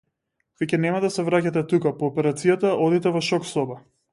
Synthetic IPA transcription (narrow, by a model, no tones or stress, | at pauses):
vicɛnɛmad̪asɛvɾacat̪ɛt̪ukapɔːpɛɾat̪sijat̪aʔɔd̪it̪ɛvɔʃɔksɔbɛ